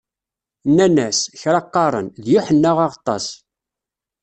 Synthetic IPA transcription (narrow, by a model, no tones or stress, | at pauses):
nːænæsçɾɑqːɑɾˤə̰nðjʊħənːaʁɑʁt̪ˤːɑ̰s